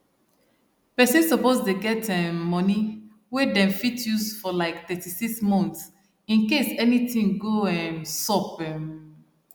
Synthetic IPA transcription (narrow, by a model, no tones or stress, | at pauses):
pɛsɛ̃nsɔpostuɡɛtɛ̃mɔni | wɛdɛ̃mfitʰjusfɔlaɪkt̪ɛtisiksmɔ̃nts | ĩnkesɛnitĩŋɡoɛ̃nsɔpɛ̃m